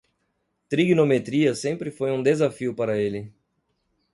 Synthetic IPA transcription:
t̪ɾiɡnomet̪ɾiɐsẽmpɾɪfojũd̪ezafiʊpaɾɐelɪ

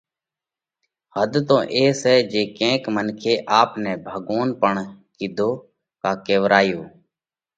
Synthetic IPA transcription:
həd̪t̪õːʔeːsɛːd͡ʒeːkẽːkmənkʰeːʔaːpnɛ̃ːbʱəɠoːnpəɳkiːd̪ʱoː | kaːkeːʋɾaːjoː

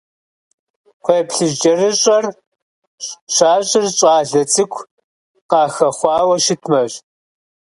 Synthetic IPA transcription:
qʷeːpɬɨʒd͡ʒɐrɨɕʼɐr | ʃaːɕʼɪrɕʼɑːɮɐt͡sʰʼɨkʷʰ | qɑːxɐχʷɑːwɐʃɪtʰmɐɕ

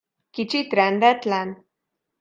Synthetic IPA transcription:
kit͡ʃit̪ɾɛnd̪ɛt̪lɛn

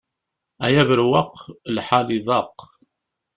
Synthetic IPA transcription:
æjævəɾwɑqlħaliðˤɑq

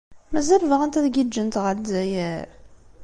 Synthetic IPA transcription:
mæzæɾvəʁənt̪æðɡid͡ʒːənt̪ʁəɾd̪zæjæɾ

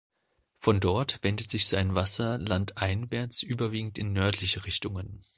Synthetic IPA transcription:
fɔndɔɐtv̥ɛndətz̥ɪçz̥aɪnvasɐlantʔaɪnvɛɐt͡sʔyːbɐviːɡŋ̩tɪnːœɐtʰlɪçəʁɪçtʊŋən

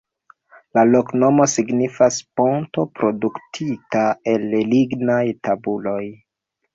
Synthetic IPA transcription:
lalo̞kno̞mo̞siɡnifasponto̞pɾo̞duktʰitae̞lliɡnajtʰabulo̞j

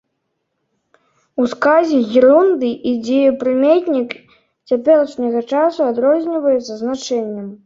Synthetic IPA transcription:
uskazʲɛɣʲiɾund̪ɨʔid͡zʲejupɾɨmʲet̪ʲnʲik | t͡sʲapʲɛlˠɐʂnʲɐɣɐt͡ʂasuad̪ɾɔzʲnʲivɐjɛt̪sɐznat͡ʂɛnʲːɛm

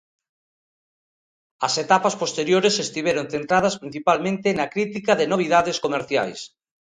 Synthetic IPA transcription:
ɐset̪apaspost̪eɾjoɾesest̪iβeɾonθent̪ɾaðɐspɾin̟θipalmẽnt̪enɐkɾit̪ikɐðenoβ̞iðaðeskomeɾθja̰js

